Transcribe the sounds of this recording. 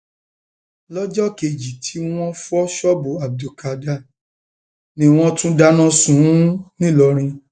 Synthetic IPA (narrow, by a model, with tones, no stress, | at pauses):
lɔ˦d͡ʒɔ˦ke˧˨d͡ʒi˨tʰi˨˦w̃ɔ̃˦fɔ˦ʃɔ˦bu˨a˨b̚du˨ka˨da˦˨ | nĩ˦w̃ɔ̃˦tũ˦da˦nã˦sũ˨˦nĩ˦˨lɔ˧ɾ̃ĩ˧